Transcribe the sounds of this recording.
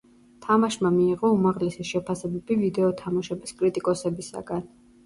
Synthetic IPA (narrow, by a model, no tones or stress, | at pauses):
t̪ʰamaʃmamiːʁɔumaʁlɛsiʃɛpʰasɛbɛbivid̪ɛɔt̪ʰamaʃɛbiskʼɾit̪ʼikʼɔsɛbisa̰ɡ̥an